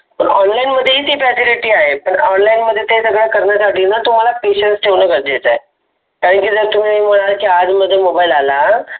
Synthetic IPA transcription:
pəɾɔnlainməd̪ʱːjeɦiːt̪ifɛsiliʈiːaɦepəɳɔnlainməd̪ʱːjet̪esəɡɭjakəɾnjasaʈiːnat̪um̤alapeɕənʈsʈʰenəkəɾd̪et͡sae | kaɾənkid͡zəɾt̪um̤inɦiməɽ̃alkiad͡zməd̪ʱːjemobailala

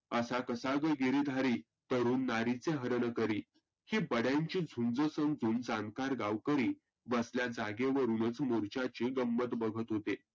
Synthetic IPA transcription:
əsakəsaɡəɡiɾiːd̪ʱaɾiː | t̪əɾuːnːaɾit͡seɦəɾnəkəɾiː | hiːbəɽjãɲt͡ɕiːd͡zʱund͡zəsənd͡zʱuːnd͡zankaɾɡaʋkəɾiː | ʋəsljad͡zaɡeʋəɾuːnət͡smoɾt͡ɕat͡ɕiɡəmːət̪bəɡʱət̪ɦot̪e

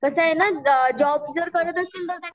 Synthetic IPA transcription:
kəsəɦenad͡ʑɔbd͡zəɾkəɾət̪əst̪iːlt̪əɾt̪ã

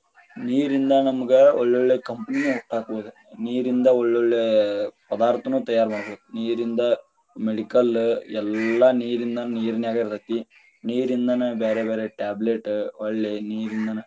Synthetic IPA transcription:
niːɾind̪anɐmukːɨoɭːoɭːekɐmpɐninuuʈːaːkːuʋʋɐðɨ | niːɾind̪ɐoɭːoɭːepɐd̪aːrt̪ːɐnut̪ɐjːaːɾmɐːɳɐkːuʋɐniːɾind̪ɐ | meɽikːɐlɛlːaniːɾind̪aːnɨniːɾinjaːkɐɾɾɐt̪ːi | niːɾind̪anɨbeːɾebeːɾeʈaːbleʈːɨɐɭːeniːɾind̪aːnɨ

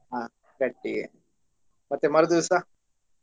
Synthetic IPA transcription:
a | kɐʈːḭ | mɐt̪ːemɐɾd̪usa

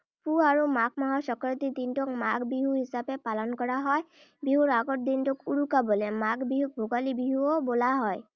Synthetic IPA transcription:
puaɹumak̚ʰmaɦɔsɔkɔɹɔt̪id̪intɔkmaɡbiɦuɦisapɛpalɔnkɔɹaɦɔj | biɦuɹaɡɔt̚d̪intʊkuɹukabɔlɛmakbiɦubʱoɡalibiɦuɔbolaɦɔj

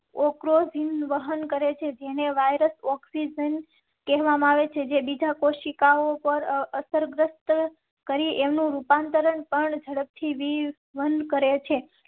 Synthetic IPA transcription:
okɾozinʋəɦənkəɾet͡ʃʰed͡ʒeneʋajɾəsɔksid͡ʒən | kɛɦʋamaaʋet͡ʃʰed͡ʒebid͡ʒakoʃikaopəɾəsəɾɡɾəst̪ | kəɾiʔemnũɾupant̪əɾəɳpəɳd͡ʒʱəɽəp̚t̪ʰiʋi | ʋənd̪ʱkəɾet͡ʃʰe

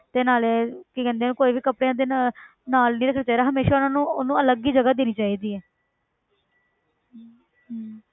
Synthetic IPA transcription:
t̪eːnaːlɛːkikɛ̃ːnd̪eaːnũːkoːiːʋiːkəpɽeãːd̪eː | naːlnĩːɾəkʰnaːt͡ʃaːid̪aːɦəmeːʃaːʊnãːnũːʊnũːələɡiːd͡ʒəɡaːd̪eːniːt͡ʃaːiːd̪iːɛː

